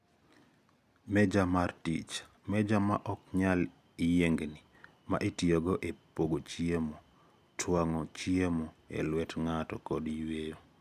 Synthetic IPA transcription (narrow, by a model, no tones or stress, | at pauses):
mɛd͡ʒamartḭt͡ʃ | mɛd͡ʒama̰ʔɔk̚ɲal | ijeŋɡni | ma̰ʔetioɡɔʔepoɡot͡ʃiemo | tʰwaŋɔt͡ʃiemoḛlwɛtŋatɔkɔdwejo